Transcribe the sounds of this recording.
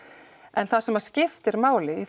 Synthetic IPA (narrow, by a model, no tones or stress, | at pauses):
ɛnθasɛmascɪft̪ɪɾmaːwlɪiθ